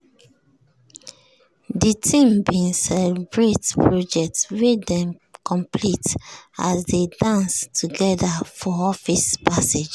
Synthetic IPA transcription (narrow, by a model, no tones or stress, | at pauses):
ditʰĩmbinsɛlɛbɹetpɹɔd͡ʒɛk̚tswedɛ̃m | kʰɔ̃mplita̰sdedãnstʰuɡɛdafɔɔfispased͡ʒ